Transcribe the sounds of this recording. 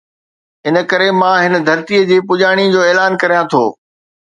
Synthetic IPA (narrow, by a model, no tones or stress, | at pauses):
ɪnə̆kɐɾemãɦɪnə̆d̪ʱɐɾt̪iːəd͡ʑiːpʊʄaːɽ̃id͡ʑoːeːlaːnkɐɾijãt̪ʰo̰ː